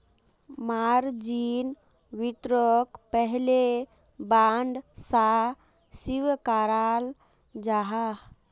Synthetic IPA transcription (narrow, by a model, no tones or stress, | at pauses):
maɾd͡ʒin | ʋit̪ɾəkpəɦle | baɳɖsa | siwkaɾal | d͡ʒaɦa